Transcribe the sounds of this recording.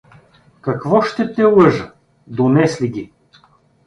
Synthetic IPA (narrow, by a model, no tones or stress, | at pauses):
kɐkvɔʃt̪ɛt̪ɛlˠɤʒə | d̪onɛsliɡʲi